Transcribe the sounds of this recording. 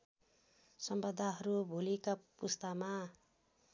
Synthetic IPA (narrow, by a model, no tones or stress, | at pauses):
sʌmbʌd̪ʱaɦʌɾubʱolikapust̪ama